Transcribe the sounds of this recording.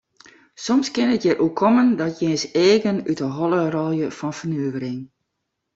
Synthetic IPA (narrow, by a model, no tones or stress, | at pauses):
sɔmskɪnətjərʔokʰːɔməndɔtʰjeənseːɡənytəɦɔlˠərɔlˠjəfɔnfərnøːvəɾɪŋ